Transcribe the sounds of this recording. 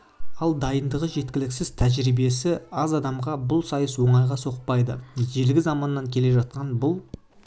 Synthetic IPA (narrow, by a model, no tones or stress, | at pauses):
ɑlˠd̪ɑjənd̪əʁəʒe̞t̪̚kʲɪlɪksɪzt̪ʰæʒɾibe̞sɪɑzɑd̪ɑmʁɑbʊlˠsɑjəswo̞ɴɑjʁɑso̞qpɑjd̪əʒe̞lɡʲɪzɑmɑnːɑŋkʲʰe̞le̞ʒɑt̪̚qɑnbʊlˠ